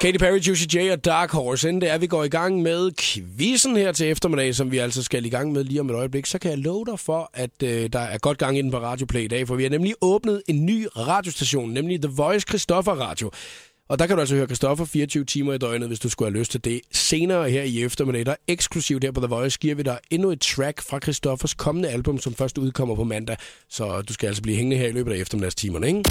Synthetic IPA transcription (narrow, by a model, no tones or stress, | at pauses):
kʰeɪɾipʰæɹius̬ideɪɒ̽d̥ɑ̈ːɡ̥hɒsend̥eæɐʋiɡ̥ɒ̰ːiɡ̥ɑ̈ŋ̰með̞ˠkʰʋisn̩heɐt͡sʰe̝lefd̥ɐme̝d̥ɛ̰ɪsɒ̽mʋiæl̰s̬ɒ̽sɡ̥æliɡ̥ɑ̈ŋ̰meðˠliːɒ̽meɾ̥ɒ̽ɪəb̥leɡ̥sɒ̽kʰæjɑ̈ɪlɔːʊd̥ɑfɒ̽ʔæd̥ød̥ɑ̈æɐɡ̥ɒ̽d̥̚ɡ̥ɑ̈ŋed̥n̩pʰɒ̽ʁɑ̈ːdjo̝pʰleid̥ɛ̰ːfɒʋihænemliʔɔːb̥nəð̞̩ˠe̝nːy̰ːʁɑ̈ːd̥jo̝sd̥æɕo̝̰ːnːemliðəʋɒ̽ɪskʰʁisd̥ɒ̽fɐʁɑ̰̈ːd̥jo̝ | ɒ̽d̥ɑ̈kædɾuæls̬ɒhøːɐkʁisd̥ɒ̽fɐfiːɐt͡sʰyʊt͡sʰiːmɐid̥ɒɪnð̩ˠʋe̝sd̥usɡ̥uhæløsd̥t͡sʰed̥e̝se̝ːnɐːheɐ̰iefd̥ɐmedæd̥ɑeɡ̥sɡ̥lusiʊd̥heɐ̰pʰɒðˠəʋɒ̽ɪsɡ̥iɐ̰ʋidɑ̈e̝nue̝d̥̚t͡sʰʁæɡ̥fʁɑ̈kʰʁisd̥ɒ̽fɐskʰɒ̽mənəælb̥ɔ̽msɒ̽mfɶɐsd̥uð̞ˠkʰɒ̽m̰ɐpʰɒ̽mæn̰d̥æ | sɒ̽d̥usɡ̥ææl̰sɒb̥liːɦeŋənəheɐ̰ilø̰ːbəd̥ɑiefd̥ɐmedæst͡sʰḭːmɐnəeŋ